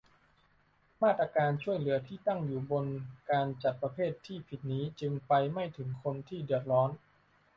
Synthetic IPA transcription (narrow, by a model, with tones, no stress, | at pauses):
maː˥˩t̪̚ːɾa˧kaː˧nt͡ɕʰu˥˩əjlɯ˩˦ɐt̪ʰiː˥˩t̪a˥˩ŋjuː˨˩bo˧nkaː˧nt͡ɕa˨˩t̪̚pɾa˧pʰeː˥˩t̪ʰːiː˥˩pʰi˨˩t̪̚niː˦˥t͡ɕɯ˧ŋpa˧jma˥˩jt̪ʰɯ˩˦ŋkʰo˧nt̪ʰiː˥˩dɯ˨˩ət̪̚ɾɔː˦˥n